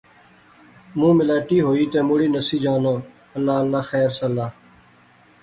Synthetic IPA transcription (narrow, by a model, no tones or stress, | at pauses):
mũːmɪlaːʈiːɦoːiːt̪eːmoːɽiːnəsiːd͡ʒaːnoː | əlːaːəlːaːxɛːɾsəlːaː